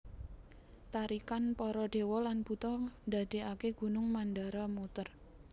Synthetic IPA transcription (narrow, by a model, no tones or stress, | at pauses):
t̪aɾikanpɔɾɔɖ̥e̤wɔlanb̥ut̪ɔnd̪a̤d̪̥e̤akeɡ̥ṳnʊŋmandaɾamut̪ər